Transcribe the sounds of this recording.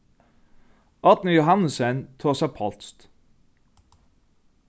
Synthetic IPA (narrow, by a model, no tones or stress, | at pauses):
ʔɑt̪nəjʊɦɑnəsent̪ʰoːsæpʰɑlt̪st̪